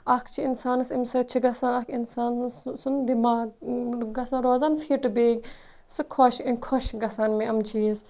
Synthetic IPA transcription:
ɐkʰt͡ʃʰiinsaːnɨsimsɐt͡ʃʰiɡɐsaːnɐkinsaːnsund̪imaːɡ̚ɡɐsanɾoːzaːnfiːʈɨbeːɡʲ | sɨkʰoʃkʰoʃɡɐsaːnmẽɐmt͡ʃʰis

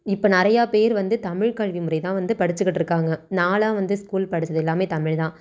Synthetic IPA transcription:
ɪpːoːnɪɾɐjaːpeːɾʋɐnd̪ɯt̪ɐmɪɻkaːɻʋimʊrɐɪt̪ãːʋɐnd̪ɯpɐɽɯt͡ʃːɯkːɪʈːɪɾɯkːaːŋɡɐnaːlaːʋɐnd̪ɯskuːlpɐɽɯt͡ʃːɐðɛlːaːmeːt̪ɐmɪɻt̪ãː

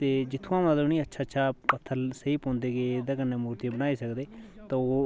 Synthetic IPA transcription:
t̪eːd͡ʒɪt̪ʰːũãːməəniːətːʃʰaːtːʃʰaːpət̪ʰːəlsəiːpɔ̃ːnd̪eːkeːd̪ãːkənːeːmuːɾt̪ijãːbənaːiːsəkd̪eːt̪ãːoː

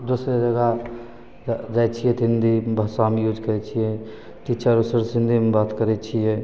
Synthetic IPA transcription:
d̪osɾed͡ʒəɡa | d͡ʒajt͡ʃʰijɛt̪ind̪ʱibʱəsaɦmejud͡ʒkəɛt͡ʃʰijɛ | ʈit͡ʃəɾusəɾsind̪ʱimebat̪kəɾɛt͡ʃʰijɛ

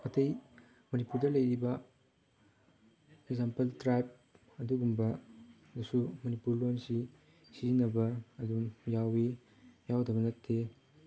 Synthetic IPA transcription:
ɐtɐj | mɐnipuɾdɐlɐjɾibɐ | eɡzampeltɾajp̚ | ɐduɡumbɐ | dɐsumɐnipuɾlonsi | sizinɐbɐːdumjawi | jawdɐbɐnɐttʰːe

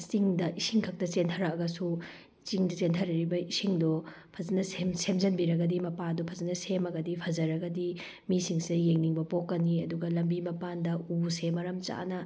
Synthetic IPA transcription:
t͡ʃiŋdɐʔisiŋkʰɐk̚tɐt͡ʃentʰɐɾɐkɐɡɐsu | t͡ʃiŋdɐt͡ʃentʰɐɾɐɾibɐisiŋdɔ | pʰɐzɐnɐsemsemzɐnbiɾɐɡɐdimɐpadɔpʰɐzɐnɐsemɐɡɐdipʰɐzɐɾɐɡɐdi | misiŋsijeŋniŋbɐpokːɐniɐduɡɐlɐmbimɐpandɐusemɐɾɐmt͡ʃa̰nɐ

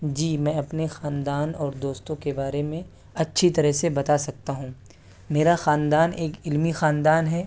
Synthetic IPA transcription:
d͡ʒiːmɛ̃ːɐpnexaːnd̪aːnɔːɾd̪oːst̪õkebaːɾemẽ | ɐtːʃʰit̪ɐɾəɦsebɐt̪asɐk̚t̪aɦũ | meːɾaxaːnd̪aːneːkɪlmixaːnd̪aːnɦɛː

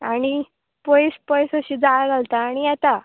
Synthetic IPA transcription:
aɽ̃i | pɔjspəjsəɕiːd͡zaɭaɡalt̪aːɽ̃ijat̪a

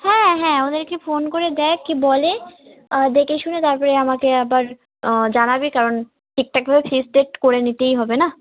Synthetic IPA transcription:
hɛ̃ːɦɛ̃od̪eɾkefʰoːnkoɾed̪ɛːkːibɔle | d̪ekeʃunet̪aɾpɔɾeamakeɛbaɾ | d͡ʒanabikaɾon | ʈik̚ʈak̚ebʱabefʰisɖeʈkoɾenit̪eiɦɔbena

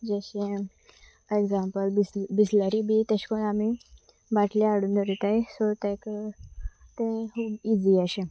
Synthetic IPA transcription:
d͡ʑəɕẽ | eɡzãmpəlbisbisləɾibʱit̪eɕkonami | ʋaʈʰleaɽuːnd̪əɾit̪aesɔt̪ɛ̃k | t̪ẽkuːbid͡ziaɕẽ

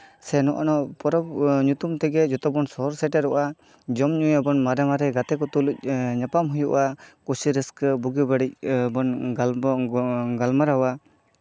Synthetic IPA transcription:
sɛnɔʔɔnɔpɔɾɔbɲut̪umt̪ɛɡɛd͡ʒɔt̪ɔbɔnsɔɦɔɾsɛʈɛɾɔʔa | d͡ʒɔmɲujabɔnmaɾɛmaɾɛɡat̪ɛkɔt̪uluc̚ɲapamɦujuʔakusiɾɛskəbuɡibaɽic̚bɔnɡa | ɡalmaɾawa

